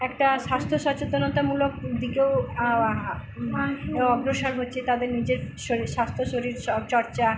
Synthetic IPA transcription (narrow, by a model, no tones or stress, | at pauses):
ɛkʈaʃast̪ʰoʃɔt͡ɕot̪onot̪amulok̚d̪ikeo | ɔɡɾoʃɔɾɦotːɕʰet̪ad̪eɾnid͡ʑeɾʃoɾiʃast̪ʰoʃoɾiɾɔbt͡ɕɔɾt͡ɕa